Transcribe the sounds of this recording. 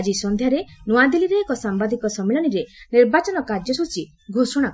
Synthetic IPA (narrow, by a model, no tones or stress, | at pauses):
d͡ʒisɔnd̪ʱjaɾenuad̪iliɾeːkɔsambad̪ikɔsɔmeɭɔniɾeniɾbat͡ʃɔnɔkaɾd͡ʒɔsut͡ʃi | ɡʱosɔɽ̃ak